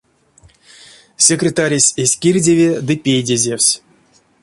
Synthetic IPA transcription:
sʲekrʲet̪aɾʲesʲesʲkʲirʲdʲevʲed̪ɨpʲejdʲezʲewsʲ

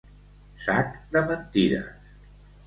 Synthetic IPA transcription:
sakd̪əβənt̪iɾə̰s

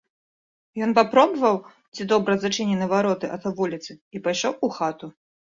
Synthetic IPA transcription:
jɔnpapɾɔbɐvɐw | t͡sʲid̪ɔbɾɐzat͡ʂɨnʲɛnɨvaɾɔt̪ɨʔɐt̪vulʲit̪sɨipajʂɔwuxat̪u

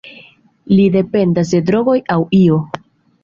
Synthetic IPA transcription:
lide̞pe̞ndas̬de̞dɾo̞ɡo̞jawio̞

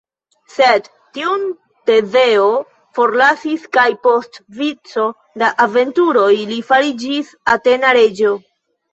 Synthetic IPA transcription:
sed | tːiun | te̞ze̞o̞ | fo̞ɾlasiskajpo̞stvit͡so̞ | daʔave̞ntuɾo̞jlifaɾid͡ʒis | ate̞naɾe̞d͡ʒo̞

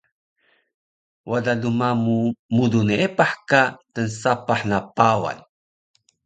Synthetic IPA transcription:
wadadumamumudunepaħkatənsapaħnapawa̰n

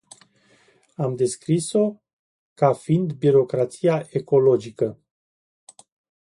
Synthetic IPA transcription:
amd̪e̞skɾiso̞ | kafind̪biɾo̞kɾat̪sijaʔe̞ko̞lo̞d͡ʒikə

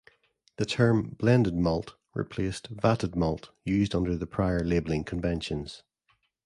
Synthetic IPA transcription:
ðətʰɜ˞mblˠɛ̃ndɪd̚mɔlˠʔ | ɹɪ̰pʰl̥estv̥aʔəd̚mɔlˠʔjʉːzdʌ̃ndə˞ðəpʰɹ̥aɪə˞lˠebəl̩ˠɪ̃ŋkʰə̃ɱvɛ̃nʃə̃nz̥

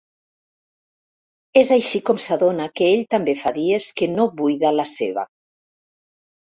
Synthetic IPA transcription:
ezajʃikɔmsaðonakeeʎt̪ambefaðieskenoβujðalaseβ̞a̰

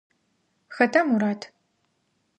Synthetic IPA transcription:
xɐtʰɐmuɾaːtʰ

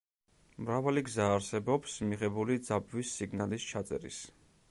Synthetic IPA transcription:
mɾavaliɡzaːɾsɛbɔpsmiʁɛbulid̪zabvisːiɡnalist͡ʃʰat̪sʼɛ̰ɾḭs

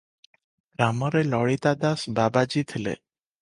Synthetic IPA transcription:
ɡ̥ɾamɔɾelɔɭit̪ad̪asbabad͡ʒit̪ʰilḛ

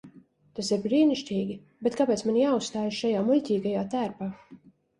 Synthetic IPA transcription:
t̪asiɾbɾiːniʃt̪ʲiːɡʲi | bɛt̪̚kapʲɛːt̪smanjaːusst̪aːjaʃʃajaːmulʲcʲiːɡajaːt̪æːɾpaː

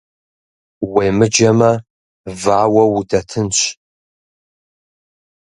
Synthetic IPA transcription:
weːmɨd͡ʒɐmɐ | vaːwɐwudɐtʰɨnɕʷʰʼ

